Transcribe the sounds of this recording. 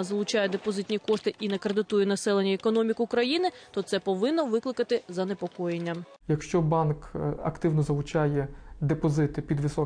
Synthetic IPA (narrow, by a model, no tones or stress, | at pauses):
zɐlˠʊt͡ʃajɛd̪epɔzɪt̪ʲnʲikɔʂt̪ɪʔinɛkɾed̪ɪt̪ujɛnɐsɛlˠenʲːɐekɔnɔmʲikʊkɾɐjinɪt̪ɔt̪sɛpɔʋɪnːɔʋɪklˠɪkɐt̪ɪzɐnepɔkɔjenʲːɐm | jɐkʃt͡ʃɔbɑnkɐ̰kt̪ɪwnɔzɐlˠʊt͡ʃɑjɛd̪epɔzɪt̪ɪpʲid̪ʋɪsɔ